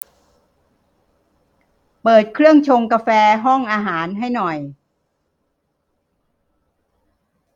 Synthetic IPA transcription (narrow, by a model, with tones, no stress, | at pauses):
pɤː˨˩t̪̚kʰɾɯ˥˩əŋt͡ɕʰo˧ŋka˧fɛː˧ɦɔ˥˩ŋʔaː˧ɦaː˩˦nɦa˥˩jnɔ˨˩j